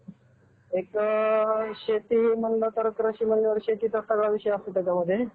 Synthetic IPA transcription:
ek | ɕet̪imənlət̪əɾəkɾaɕiːmənːəʋəɾɕet̪iːt̪ət̪aɡɭaʋiɕəjapliʈəɡaməd̪ʱːje

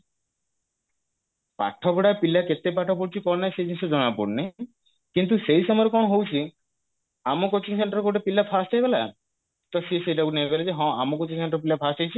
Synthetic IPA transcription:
pa̰ʈʰːɔkɔɽapilaket̪ːepaʈʰɔpoɽt͡ʃʰikɔɾnajsejd͡ʒinsɔd͡ʒɔnapo̰ɽne | kint̪usejsɔmɔɾekɔnɔɦowt͡ʃʰi | amɔkot͡ʃiŋseɳʈɔɾkoʈepilapʰast͡ʃajbela̰ | t̪ɔsisejʈakunebelad͡ʒeɦɔ̃amɔkɔt͡ʃiŋs̬eɳʈɔɾp̬ilapʰasʈt͡ʃajt͡ʃʰi

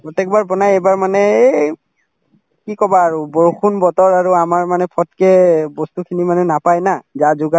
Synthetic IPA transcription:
pɹɔtɛk̚baɹbɔnajejbaɹmanɛ | kikɔbaːɹubɔɹxʰunbɔtɔɹaɹuamaɹmanɛpʰɔtkɛbɔstukʰinimanɛnapajnazazʊɡa

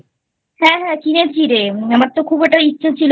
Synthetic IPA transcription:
hɛ̃ɦɛ̃kinet͡ɕʰiɾeamaɾt̪okʰubeʈaitːɕʰat͡ɕʰil

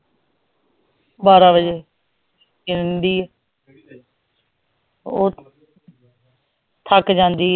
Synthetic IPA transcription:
baːɾaːbəd͡ʒeː | kɪɾnd̪iːɛː | oː | t̪ʰəkd͡ʒãːnd̪iː

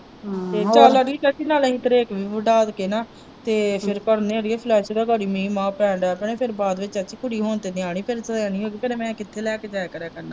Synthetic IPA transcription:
t̪eːt͡ʃaːlaɽit͡ʃət͡ʃiːnaːlːɦĩt̪əɾeːkʋiʋəɖaːd̪keːnaː | t̪eːpʰɪɾkəɾneːəɽieːpʰlɛːʃd̪aːɡəɽiːmĩːmãːpɛ̃ːɳɖɛːpɳeːpʰɪɾbaːd̪ʋɪt͡ʃət͡ʃʰiːkʊɽiːɦoːnt̪eːnɪaːɳ̃iːpʰɪɾsəaːniːɦoːɡiːpʰeɾmɛ̃ːkɪt̪ʰːeːlɛːkeːd͡ʒɛːkəɾɛːkəɾnaː

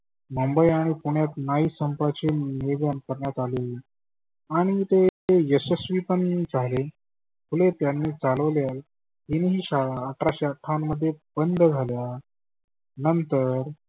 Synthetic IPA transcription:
mumbəjaɽ̃ipuɳ̃jat̪naiːsəmpat͡ɕemeɡankəɾɳjat̪ale | aɽ̃it̪eejəsəsʋiːpənːit͡sale | mulet̪janːiːt͡saləʋljal | ɦ̪iniɦiːɕaːʈɾaɕaʈʰamːəd̪ʱːjebənd̪ʱd͡zʱalja | nənt̪əɾ

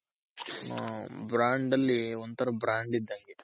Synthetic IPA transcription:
bɾaːɳɖɐlːiond̪t̪ʰɐɾɐbɾaːɳɖid̪ːaŋɡe

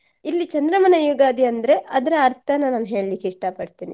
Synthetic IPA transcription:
ilːit͡ʃɐnd̪ɾɐmɐnɐjoːɡaːd̪iɐnd̪ɐɾe̞ʔɐd̪ɐɾɐːɾt̪ʰɐnːɐnaːnuɦe̞ːɭilikːiʂʈɐpɐɽt̪iːni

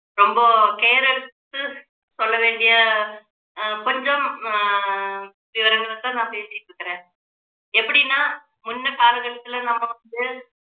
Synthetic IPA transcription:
ɾɔmbɐkeːɾɛɭɯt̪ːɯ | sɔlːɐʋeːɳɖɪjɐ | kɔɲd͡ʒɐm | ʋɪʋɐɾɐŋɡɐɭɐt̪ːɐ̃nãːpeːsɪʈːɽɯkːɪɾẽː | ɛpːɐɽɪnːaː | mʊnːɐpaːɾɯɣɐɭɐt̪ːɪlɐnɐmːɐʋɐnd̪ɯ

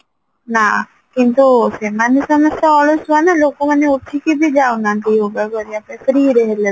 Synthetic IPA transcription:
na | kint̪usemaneʃɔmost̪ɔɔlost͡ʃuanalokːomaneut̪ʰːikib̪id͡ʑaonad̪iobɛbaɾiapafɾiɾeɦele

